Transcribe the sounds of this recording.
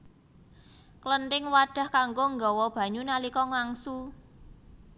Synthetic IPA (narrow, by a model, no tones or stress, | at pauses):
klənʈɪŋwaɖ̥a̤hkaŋɡoŋɡɔ̤wɔb̥ä̤ɲunalikɔŋaŋsu